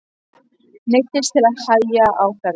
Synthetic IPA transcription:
nejht̪ɪst̪ʰɪlaðhajaʔawθɛɾ

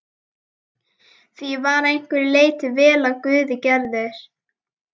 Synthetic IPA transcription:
θvivaːɾejŋ̥kvɪɾleːjt̪ɪvɛːlaðkvʏːðɪcɛɾðeɾ̥

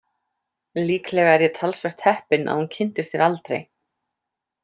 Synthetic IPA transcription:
liːklɛːɣaɛɾjɛt̪ʰalsvɛxt̪hɛhpɪnʔa̰ðhuncʰɪn̥t̪ɪst̪θjɛɾalt̪ɾḛj

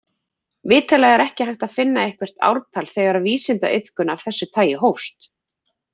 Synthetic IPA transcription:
vɪːt̪ʰɛlaɣɛɾɛhcɪhɦajht̪að̥fɪnːaejhkvɛr̥t̪a̰wɾt̪ʰalθɛɣaɾaðviːsɪnt̪a̰ʔɪð̥kʏnav̥θɛsːʏt̪ʰaːjɪɦowfst̪

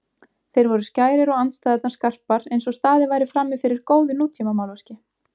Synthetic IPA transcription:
θejɾvɔɾʏscaːjɾɪɾɔɣant̪st̪ajðɛt̪nḁskar̥paɾejnsɔst̪aːðɪvaːjɾɪfɾamːɪfɪɾɪɾ̥koːwðɪnuːt̪ʰimamawlvascɪ

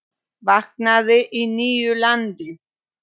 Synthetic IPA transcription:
vaknaðɪʔiniːjʏlant̪ɪ

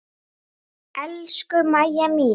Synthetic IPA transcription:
ɛlʃkʏmajamiː

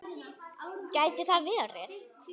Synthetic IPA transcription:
caːjt̪ɪθaðvɪðarɛθ

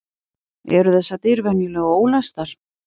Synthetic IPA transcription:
ɛ̰ɾʏθɛsːat̪ɪɾvɛnjʏlɛɣoːwlast̪aɾ̥

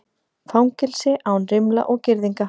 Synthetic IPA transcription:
fawŋcɪlsɪʔaːwnrɪmla̰ʔɔɣcɪɾðiŋka

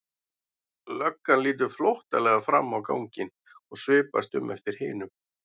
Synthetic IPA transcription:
lœkːanliːt̪̬ʏɾ̥flowht̪alɛɣafɾa̰mːawka̰wɲcɪn | ɔɣsvɪːpa̰st̪ʏ̰mːʔɛft̪ɪɾ̥hɪːnʏm

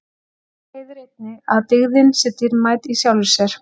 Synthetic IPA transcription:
hejðɾejt̪̚nɪaðt̪ɪɣðɪnsɛːt̪ɪɾmaːjt̪isjawlɪsɛɾ̥

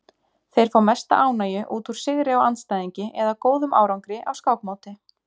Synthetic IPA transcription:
θejɾ̥fawmɛst̪a̰ʔaːwnaːjʏʔuːt̪uɾ̥sɪɣɾɪawanst̪ajðiɲcɪʔɛðakoːwðʏmʔa̰ːwɾawŋkɾɪʔawskawkmaːwt̪ɪ

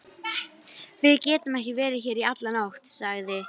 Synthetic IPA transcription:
vɪðcɛːt̪ʏmɛhcɪvɛːɾɪçɛːɾiat̪lanawht̪saɣðɪ

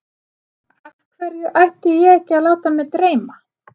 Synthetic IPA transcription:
kʰvɛɾjʏʔajht̪ɪjɛɛhcːɪaðlaːwt̪amɛðt̪ɾeːjma

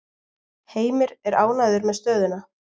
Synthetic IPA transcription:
heːjmɪɾɛɾaːwnajðʏɾmɛðst̪œːðʏna

